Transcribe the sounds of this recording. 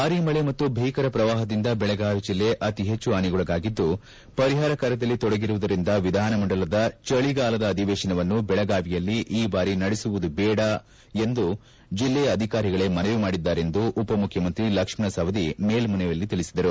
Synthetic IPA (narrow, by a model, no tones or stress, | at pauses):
baːɾimɐɭemɐt̪ːubʱɐjkɐɾɐpɾɐʋaːɦɐd̪ind̪ɐbɛɭɐɡaːʋid͡ʒilːe̞ʔɐt̪iɦet͡ʃːuaːniɡɔɭɐɡaːɡid̪ːu | pɐɾiɦaːɾɐkaːɾɐd̪ɐlːit̪ɔɽɐɡiɾuʋud̪ɐɾind̪ɐʋid̪ʱaːnɐmɐɳɖɐlɐd̪ɐt͡ʃɐɭiɡaːlɐd̪ɐːd̪ʱiʋɛːʃɐnɐʋɐnːubɛɭɐɡaːʋijɐlːiʔiːbaːɾinɐɽisuʋud̪ubɛːɽɐ | e̞nd̪u | d͡ʒilːɛjɐɐd̪ʱikaːɾiɡɐɭe̞mɐnejumaːɽid̪ːaːɾe̞nd̪uʔːpɐmukʰjɐmɐnt̪ɾilɐkʂmɳɐsɐʋɐd̪imeːlmɐnɛjɐlːit̪iɭisid̪ɐɾu